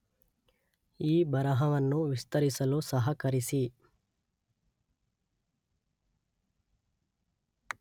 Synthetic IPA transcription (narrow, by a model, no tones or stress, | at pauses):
iːbɐɾɐɦɐʋɐnːuʋist̪ɐɾisɐlusɐɦɐkɐɾisi